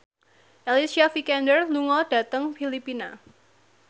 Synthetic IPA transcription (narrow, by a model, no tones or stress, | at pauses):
ʔɛlisiafikɛndərluŋɔɖ̥a̤t̪əŋfilipina